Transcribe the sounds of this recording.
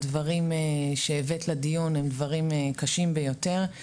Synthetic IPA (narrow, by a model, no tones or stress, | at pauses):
dvaʁimeʃeːvetlad̪ijunemd̪vaʁimekaʃimbejo̞t̪e̞ʁ